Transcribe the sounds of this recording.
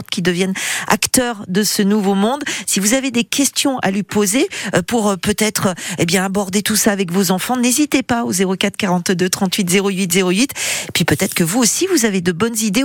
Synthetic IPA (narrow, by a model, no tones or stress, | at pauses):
t̪kʲid̪əvjɛna̰kt̪œʁd̪əsənuvomɔ̃d̪sivuzaved̪ekʲɛst̪jɔ̃ʔa̰lipozeøpuʁpøt̪ɛt̪χəebjɛ̃abɔʁd̪et̪usaːvɛkvozɑ̃fɑ̃nezit̪epaozeʁokat̪χkaʁɑ̃t̪d̪øt̪χɑ̃t̪ɥit̪zeʁoɥit̪zeʁoɥit̪epɥipøt̪ɛt̪χəkəvuosivuzaved̪əbɔnzid̪e